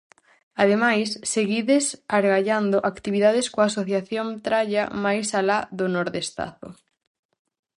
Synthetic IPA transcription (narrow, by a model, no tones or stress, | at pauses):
aðemajsːeɣiðesaɾɣaʎand̪ʊʔakt̪iβiðað̞eskoasoθjaθjont̪ɾaʎɐmajsalaðʊnoɾðest̪a̰ðʊ̰